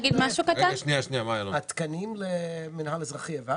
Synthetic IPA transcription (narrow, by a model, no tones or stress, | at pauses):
ɡid̪maʃukat̪aʃniaʃniamajalat̪kanimlemɪnhalazʁaχieva